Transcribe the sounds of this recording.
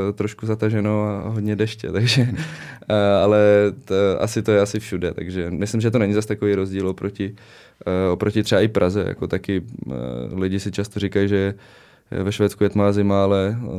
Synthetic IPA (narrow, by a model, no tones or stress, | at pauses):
t̪ɾoʃkuzat̪aʒɛnowaɦodɲɛdɛʃcɛ̰t̪aɡʒɛ | alɛ | ʔa̰sɪt̪o̞jɛasɪfʃudɛt̪a̰ɡʒɛmɪslɪmʒɛt̪̬onɛɲɪzast̪akoviːɾozɟiːlopɾocɪ | opɾocɪt̪r̥ɛbaʔɪpɾʔazɛ̰ja̰ko̞t̪akɪ | lɪɟɪsɪt͡ʃast̪orikajiʒɛ | vɛʃvɛːt͡skujɛt̪maːzɪmaalɛ